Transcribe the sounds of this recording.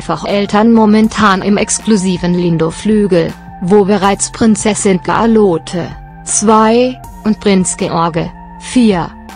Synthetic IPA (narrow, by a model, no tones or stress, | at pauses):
faχʔɛltʰɐnmomɛntʰaːnʔɪmʔɛkskluziːvənlɪndoflyːɡl̩ | voːbəʁaɪt͡spʁ̥ɪnt͡sɛsɪnɡ̥əʔa̰loːtʰə | t͡sv̥aɪ | ʔʊnt̚b̥ʁ̥ɪnsɡ̥əʔɔɐɡə | fiːɐ